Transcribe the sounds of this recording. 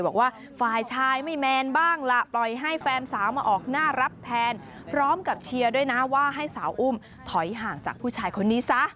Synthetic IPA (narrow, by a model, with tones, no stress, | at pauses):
bɔː˨˩k̚waː˥˩ | faː˨˩jt͡ɕʰaː˧jma˥˩jmɛː˧nbaː˥˩ŋla˧plɔ˨˩jɦa˥˩jfɛː˧nsaː˩˦wmaː˧ʔɔː˨˩k̚naː˥˩ɾa˦˥p̚t̪ʰɛː˧n | pʰɾɔː˦˥mka˨˩p̚t͡ɕʰi˧ɐdu˥˩əjna˦˥waː˥˩ɦa˥˩jsaː˩˦wʔu˥˩m | t̪ʰɔ˨˩˦jɦaː˨˩ŋt͡ɕa̰ː˨˩k̚pʰuː˥˩t͡ɕʰaː˧jkʰo˧nːiː˦˥sa˦˥ʔ